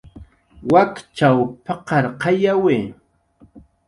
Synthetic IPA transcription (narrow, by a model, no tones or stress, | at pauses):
wakt͡ʃawpɑqɑɾqɑjawe